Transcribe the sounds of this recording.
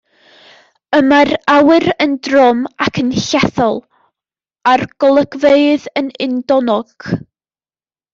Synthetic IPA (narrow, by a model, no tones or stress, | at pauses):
əmarawɨɾəndrɔmakʰənɬɛθɔlˠ | arɡ̥ɔlˠəɡveɨðənɪndɔnɔɡ̥